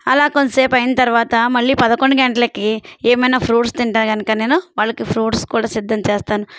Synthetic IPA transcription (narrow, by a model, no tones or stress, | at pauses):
ɐlaːkonseːpɐjinɐt̪ɐɾʋaːt̪ɐmɐɭːiːpɐd̪ɐko̞ɳɖiɡeɳʈɐlɐkieːmɐjnaːpʰɾuːʈst̪iɳʈaːɾɡɐnɐkaːne̞ːnuʋaːɭːɐkipʰɾuːʈskuːɽaːsid̪ʱːɐmt͡ʃeːst̪aːnu